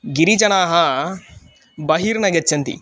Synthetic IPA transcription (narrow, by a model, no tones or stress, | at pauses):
ɡiɾit͡ʃɐnaːɦɐ | bɐɦiːɾnɐɡɐtːt͡ʃːɐnt̪ḭ